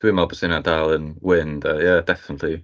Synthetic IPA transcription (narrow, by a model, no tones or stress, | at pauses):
d̥wiːmalˠbəsɪnadalˠənwɪndəjad̥ɛfɪnətʰli